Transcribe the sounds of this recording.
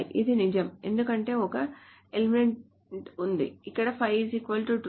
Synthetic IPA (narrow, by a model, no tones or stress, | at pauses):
ʔḭd̪inid͡ʒɐme̞̰nd̪ukɐɳʈe̞ːɔkɐ | elimeɳʈ | und̪ḭikːɐɽɐpʰɐjzikʋɐlʈuʈ